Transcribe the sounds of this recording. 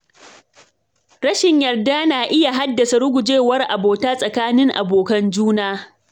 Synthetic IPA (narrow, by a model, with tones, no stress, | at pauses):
ɾɐ˦ʃɪ˨ɲjɐ˨rda˦naː˨ʔɪ˦ja˨ɦa˦dːɐ˨sa˨ɽʊ˦ɡʷʊ˨d͡ʒeː˦wɐ˦rʔa̰˨boː˨taː˦sʼɐ˨kaː˦nɪ˦ŋʔa˨boː˨kɐ˦nd͡ʒuː˦naː˦